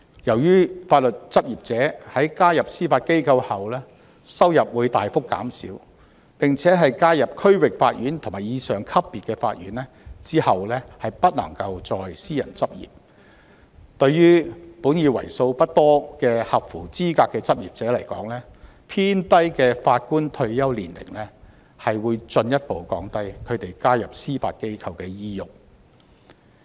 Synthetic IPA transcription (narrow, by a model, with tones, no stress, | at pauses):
jɐ˨˩wjyː˥faː˧t̚lɵ˨t̚t͡sɐ˥p̚jiː˨p̚t͡sɛː˨˥hɐ˨˥jkaː˥jɐ˨p̚siː˥faː˧t̚ke˥jkʰɐ˧whɐ˨wlɛː˥ | sɐ˥wjɐ˨p̚wuː˨˧jt̪aː˨jfʊ˥kːa̰ː˨˥msḭː˨˥w | pɪ˨ŋt͡sʰɛː˨˥ɦɐ˨jkaː˥jɐ˨p̚kʰɵ˥ɥwɪ˨k̚faː˧t̚ɥyː˨˥nt̪ʰʊ˨˩maː˨˩jiː˧sœː˨˩ŋkʰɐ˥pːiː˨t̚kɛː˧fa̰ː˧t̚jy̰ː˨˥nlɛ˥t͡siː˥hɐ˨wlɛː˥hɐ˨jpɐ˥t̚lɐ̰˨˩ŋkɐ˧wt͡sɔː˨jsiː˥jɐ̰˨˩nt͡sɐ˥p̚jḭː˨p̚ | t̪ɵ˧ɥjyː˥puː˨˥njiː˨˧wɐ̰˨˩jso˧wpɐ˥t̚t̪ɔː˥kɛː˧hɐ˨p̚fuː˨˩t͡siː˥kaː˧kːɛː˧t͡sɐ˥p̚jiː˨p̚t͡sɛː˨˥lɐ˨˩jkɔ̰ː˨˥ŋlɛː˥ | pʰiː˥nt̪ɐ˥jkɛː˧faː˧t̚kuː˥nt̪ʰɵ˧ɥjɐ˥wliː˨˩nlɪ̰˨˩ŋlɛː˥ | hɐ˨jwuː˨˧jt͡sɵ˧njɐ˥t̚po˨˧wkɔː˨˥ŋt̪ɐ˥jkʰɵ˨˧ɥt̪e˨jkaː˥jɐ˨p̚siː˥fa̰ː˧t̚ke˥jkʰɐ˧wkɛː˧jiː˥jʊ˨k̚